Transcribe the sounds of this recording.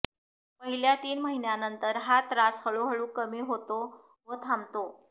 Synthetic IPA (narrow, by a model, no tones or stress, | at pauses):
pəɦiljat̪iːnməɦinjanənt̪əɾɦat̪ɾasfəɭoɦəɭuːkəmiɦot̪o | ʋət̪ʰamt̪o